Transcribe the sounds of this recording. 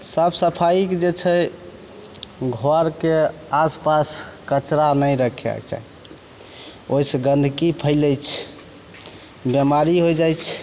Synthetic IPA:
səbsəpʰaikd͡ʒet͡ʃʰə | ɡʱɔɾkeaspaskət͡ʃɾanəjɾəkʰɛ̰kt͡ʃa̰i | oiseɡənd̪ʱkipʰəɪləjt͡ʃʰ | bjəmaɾiɦojd͡ʒajt͡ʃʰ

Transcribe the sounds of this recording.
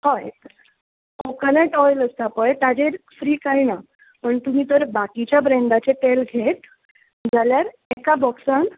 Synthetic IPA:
hɔj | okəneʈɔjləst̪apəjt̪ad͡ʑeɾfɾiːkaina | pəɳt̪um̤iːt̪əɾbakit͡ɕjabɾeɳɖat͡seʈelɡʱet̪ | d͡zaljaɾ | ekabɔksãn

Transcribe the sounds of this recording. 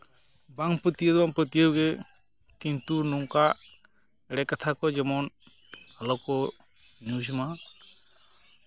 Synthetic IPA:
baŋpət̪ijəd̪baŋpət̪ijəwɡɛ | kint̪unuŋka | ɛɽɛkat̪ʰakɔd͡ʒɛmɔn | alɔkɔ | njud͡ʒma

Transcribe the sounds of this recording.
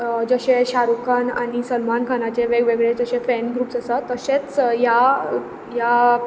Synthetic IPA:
d͡zəɕẽɕaɾukanaɽ̃isəlmankʰanat͡ɕeʋeɡʋeɡɭed͡zəɕẽfɛnɡɾuːpsəsat̪ːəɕet͡sja | ja

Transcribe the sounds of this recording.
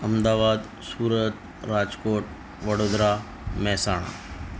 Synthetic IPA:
ɐmd̪aːʋaːd̪ | suːɾət̪ | ɾaːd͡ʒkoːʈ | ʋɐɽoːd̪ɾa | mɛɦsaːɽ̃a̰ː

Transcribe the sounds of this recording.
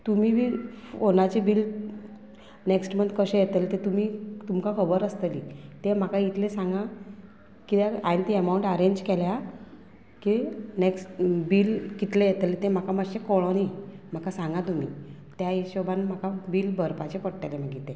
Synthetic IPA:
t̪umiʋionat͡ɕibiːl | neksʈməd̪kəɕẽjet̪əlt̪et̪umit̪umkakʰəbəɾəst̪əlit̪em̤akait̪ʰlesãŋɡa | kit̪aant̪iəmauɳʈəɾeɲd͡ʑkelja | kineksʈbiːlkit̪lejet̪let̪ẽm̤akaməɕekɔɭonim̤akasãŋɡat̪um̤ḭːt̪jaeɕɔbanm̤akabiːlbʱəɾpat͡ɕepəɽʈ̪elem̤əɡit̪ẽ

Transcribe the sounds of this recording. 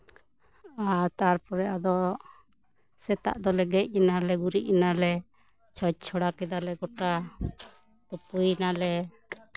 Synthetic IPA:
at̪aɾpɔɾɛʔad̪ɔ | sɛt̪a̰ʔd̪ɔlɛɡɛc̚ˀinalɛɡuɾiʔnalɛ | t͡ʃʰɔt͡ʃ̚t͡ʃʰɔɽakɛd̪alɛɡɔʈa | t̪ɔpujnalɛ

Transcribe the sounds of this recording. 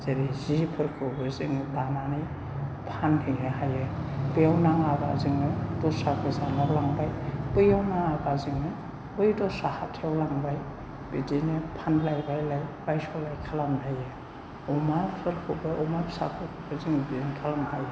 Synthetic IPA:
z̥eɾizipʰɯɾkʰɯbɯziŋitananɯj | pʰanhiŋeɦajebejawnaŋabaziŋnɯdɔsakʰɯzanaɾlaŋbajbɯjawnaŋabaziŋnɯ | bɯjdɔsahatʰeawlaŋbaj | b̥idinipʰanlajbajlajb̥ajsɔlajkʰalamdaje | ɔmapʰɯɾkʰɯbaʔɔmapsa̰pʰɯɾkʰɯbɯziŋbiinkʰalamdaj

